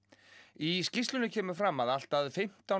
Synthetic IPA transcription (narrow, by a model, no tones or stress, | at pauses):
iscist̪lʏnʏcʰɛːmʏ̥fɾamːaðal̥t̪aðʏfɪm̥t̪a